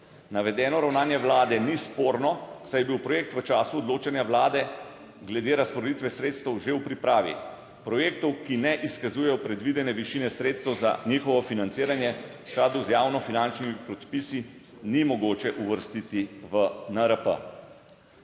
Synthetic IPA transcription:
naʋɛd̪ɛːnɔɾawnaːnjɛʋlaːd̪ɛnispoːɾnɔsajɛbiwpɾɔjeːk̚t̪ʋət͡ʃaːsuɔd̪loːt͡ʃɛnjaʋlaːd̪ɛ | ɡlɛd̪eːɾaspɔɾɛd̪it̪ʋɛsɾeːt̪st̪ɛwʒewpɾipɾaːʋḭ | pɾɔjeːk̚t̪ɔwkinɛʔiskazujɛjɔpɾɛd̪ʋid̪ɛnɛʋiʃinɛsɾeːt̪st̪ɛwza̰nixɔʋɔfinant̪siːɾanjɛwsklaːd̪uzjaːwnɔfinant͡ʃnimipɾɔt̪pisi | nimɔɡoːt͡ʃɛʔuʋəɾst̪it̪iʋənəɾəpə̰

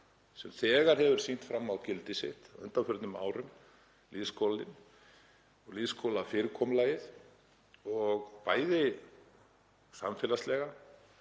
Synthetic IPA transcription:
sɛmθɛːɣaɾ̥hɛvʏɾ̥sin̥t̪fɾamːawcɪlt̪ɪsɪ̰ht̪awœ̰nt̪afʏɾt̪nʏma̰ːwɾʏm | liðskʰɔlɪn | ɔɣliðskʰowlafɪɾkʰɔmlaːjɪθ | ɔɣpaːjðɪ | sa̰mfɛlast̪lɛɣa

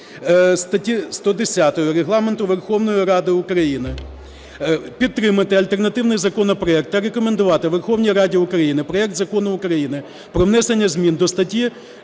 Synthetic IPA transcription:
st̪ɐtʲist̪ɔd̪esʲat̪ɔjʊɾeɦlˠɑment̪ʊʋerxɔwnɔjʊɾɑd̪ɪʊkɾɐjinɪ | pʲit̪ːɾɪmɐt̪ɪɐlʲt̪ernɐt̪ɪwnɪjzɐkɔnɐpɾɔɛk̚t̪ɐɾekɔmend̪ʊʋɑt̪ɪʋerxɔwnʲijɾɑdʲiʊkɾɐjinɪpɾɔɛk̚t̪zɐkɔnɐʊkɾɐjinɪ | pɾɔʋnɛsenʲːɐzʲmʲind̪ɔst̪ɐtʲi

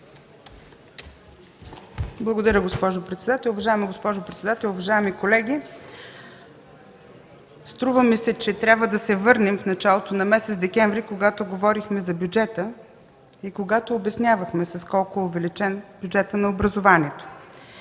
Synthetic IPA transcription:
blˠɐɡod̪ɐɾʲəɡospɔʒopɾɛt̪sɛd̪at̪ɛlˠʊvɐʒaɛmɐɡospɔʒopɾɛt̪sɛd̪at̪ɛlˠʊvɐʒaɛmikolɛɡʲi | st̪ɾuvəmisɛt͡ʃɛt̪ɾʲabvəd̪ɐsɛvɤɾnɛmfnɐt͡ʃalˠot̪onɐmɛsɛt̪zd̪ɛkʲɛɱvɾikoɡat̪oɡovɔɾixmɛzɐbjud͡ʒɛt̪ə | ikoɡat̪oːbɛsnʲjavəxmɛsɐskɔlˠkoɛʊvɛlit͡ʃɛnbʲjud͡ʒɛt̪ənɐobɾəzovanʲiɛt̪o̥

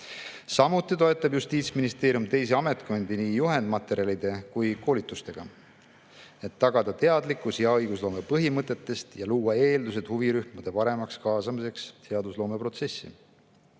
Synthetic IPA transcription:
sɑmut̪ːˑit̪o̞e̞t̪ːˑɑb̥just̪iːt̪sminist̪e̞ːɾijumt̪e̞js̬eɑme̞t̪ko̞nʲd̪iniːjuɦe̞nd̪mɑt̪ːˑe̞ɾijɑlid̪̥e̞kujko̞ːlit̪ːˑust̪e̞ɡ̥ɑ̰ | et̪ːɑɡ̥ɑd̪̥ɑt̪e̞ɑd̪likːˑusjɑɤjɡ̥uslo̞ːme̞pɤɦimɤt̪ˑːe̞t̪ːe̞st̪jɑluːɑe̞ːld̪us̬e̞d̪̥huviɾyhmud̪̥e̞pɑɾe̞mɑkskɑːsɑmise̞kst̪e̞ɑd̪uslo̞ːme̞pro̞t̪se̞sːḭ

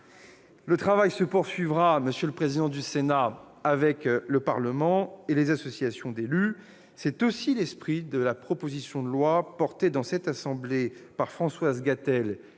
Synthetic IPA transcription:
lət̪χavajsəpuʁsɥivʁaməsjələpχezid̪ɑ̃d̪ysenaː | vɛkləpaʁləmɑ̃elezasɔsjasjɔ̃d̪ely | sɛt̪osilɛspχid̪əlapχɔpozisjɔ̃d̪əlwapɔʁt̪ed̪ɑ̃sɛt̪asɑ̃blepaʁfχɑ̃swazɡat̪ɛl

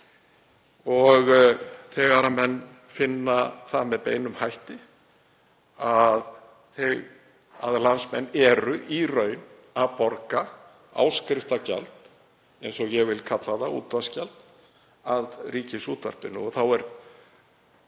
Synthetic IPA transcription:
ɔɣθɛːɣaɾamɛnː | fɪnːaθamɛðpeːjnʏmhajht̪ɪ | að | θɛɣ | a̰ðlansmɛnːɛɾʏʔirœːɥn | aðpɔɾka | a̰wskɾɪft̪aca̰lt̪ | ɛjnsɔɣjɛɣvɪlkʰat̪laðaṵːt̪ascalt̪ | aðriːcɪsuːt̪va̰r̥pɪnːʏ̰ɔɣθawɛɾ̥

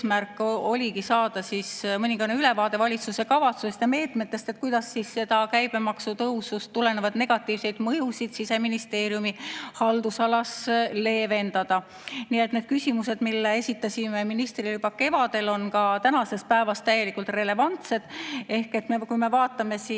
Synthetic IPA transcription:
mærkːˑo̞lʲikisɑːd̪̥ɑsismɤnʲiŋɡ̥ɑneyle̞vɑːd̪e̞vɑlʲit̪suse̞kɑvɑt̪susest̪jɑme̞ːt̪me̞t̪ːˑe̞st̪e̞t̪̚kujd̪̥ɑsːisːe̞d̪̥ɑkæjb̥e̞mɑksut̪ɤwsust̪ːule̞nevɑd̪̥ne̞ɡ̥ɑt̪ːˑiːvse̞jd̪̥mɤjusid̪̥sise̞minist̪e̞ːɾjumihɑld̪̥usɑlɑsle̞ːve̞nd̪̥ɑd̪̥ɑ | nie̞t̪ːne̞ːd̪̥̚kysʲimuse̞d̪milːeesʲit̪ːˑɑsʲimeminist̪rilybɑke̞vɑd̪e̞lo̞nkɑt̪ænɑse̞s̚pæevɑst̪æje̞likːˑult̪re̞le̞vɑnt̪se̞d̪̥e̞hke̞t̪ːmekujme̞vɑːt̪ːˑɑme̞si

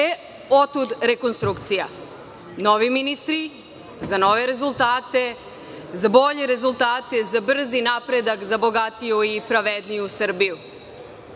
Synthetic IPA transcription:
e | ot̪ud̪ɾeko̞nst̪ɾukt̪sija | no̞ʋiminist̪ɾi | zano̞ʋe̞ɾe̞zulˠt̪aːt̪e̞ | zabo̞ʎe̞ɾe̞zulˠt̪aːt̪e̞zabr̩zinapɾe̞d̪akzabo̞ɡat̪ijuipɾaʋed̪nijusr̩biju

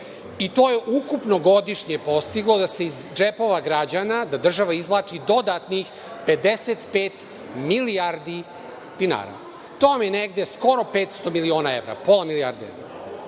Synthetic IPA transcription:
it̪o̞ːje̞ʔukupno̞ɡo̞d̪iʃɲepo̞st̪iɡlˠo̞d̪ase̞izd͡ʒepo̞ʋaɡɾad͡ʑanad̪ad̪r̩ʒaʋaizʋlˠaːt͡ʂid̪o̞d̪at̪nix | pe̞d̪eset̪peːt̪ | miliaɾd̪i | d̪̥ina̰ːɾa̰ | t̪oamjeneɡd̪e̞sko̞ɾo̞pe̞ːt̪st̪o̞milio̞ːnae̞vɾa̰po̞lˠamiliaɾd̪iḛvɾa̰

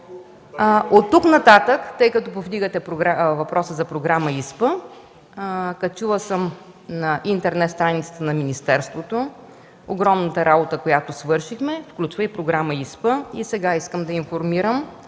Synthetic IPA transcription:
ot̪ːuknɐt̪at̪əkt̪ɤjkɐt̪opovd̪iɡət̪ɛpɾoɡɾavɐpɾʔɔsəzɐpɾoɡɾaməispə | kɐt͡ʃulˠəsəm | nɐʔint̪ɛɾnɛt̪st̪ɾanʲit̪sə̥t̪ənɐminist̪ɛɾst̪vot̪o | oɡɾɔmnət̪əɾabot̪əkojat̪osvɤɾʃixmɛfklʲut͡ʃvəipɾoɡɾaməispəisɛɡaiskəmd̪ɐinfoɾmiɾəm

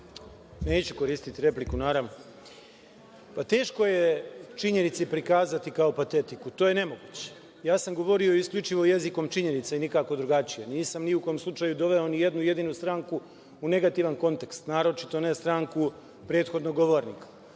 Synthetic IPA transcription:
ne̞ːt͡ɕuko̞ɾiːst̪it̪iɾe̞plikunaːɾaʋno | pat̪e̞ːʃko̞je̞t͡ʃiɲe̞nit̪sipɾikaːzat̪ikao̞pat̪e̞t̪ikut̪oːje̞ne̞mo̞ɡuːt͡ɕe̥ | jaːsamɡo̞ʋo̞ɾio̞iskʎʲut͡ʃiʋo̞je̞ziko̞mt͡ʃiɲe̞nit̪sainikako̞d̪ɾuɡat͡ɕijeniːsamniuko̞omslˠut͡ʂaːjud̪o̞ʋe̞o̞nije̞d̪nuje̞d̪inust̪ɾaːŋku | une̞ɡat̪iʋanko̞nt̪e̞kst̪naːɾo̞t͡ʃit̪o̞ne̞st̪ɾaŋku | pɾe̞ːt̪xo̞d̪no̞ɡo̞ʋoɾnḭkḁ

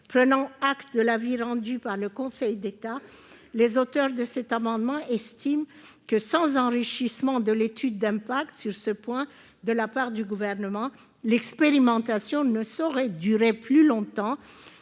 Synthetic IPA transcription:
pχənɑ̃akt̪d̪əlaviʁɑ̃d̪ypaʁləkɔ̃sɛjd̪et̪a | lezot̪œʁd̪əsɛt̪amɑ̃d̪mɑ̃ɛst̪im | kəsɑ̃zɑ̃ʁiʃismɑ̃d̪əlet̪ʰyd̪ːɛ̃pak̚t̪syʁsəpwɛ̃ | d̪əlapaʁd̪yɡuvɛʁnəmɑ̃ | lɛkspeʁimɑ̃t̪asjɔ̃nəsɔʁɛd̪yʁeplylɔ̃t̪ɑ̃

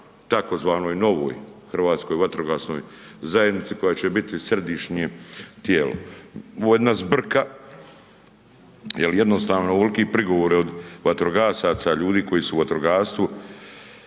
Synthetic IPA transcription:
t̪ako̞zʋaːnojno̞ʋo̞̰ːjxr̩ʋaːt̪sko̞jʋat̪ɾoɡasno̞̰j | zajed̪nit̪siko̞jat͡ɕebit̪isred̪iʃɲet̪jeːlo̰oojed̪nazbr̩ka | jelje̞d̪nost̪aːʋnouʋelikipɾiɡo̞ʋoɾio̞d̪ʋat̪ɾoɡaːsat̪saʎuːd̪iːko̞jisuːʋat̪ɾoɡaːɾst̪ʋu

